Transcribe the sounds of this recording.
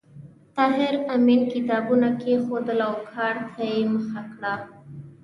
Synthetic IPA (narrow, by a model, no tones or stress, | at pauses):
t̪ɑɦɪɾaminkɪt̪ɑbunakexod̪əlawkʰɑɾt̪ʰajeməxakɽa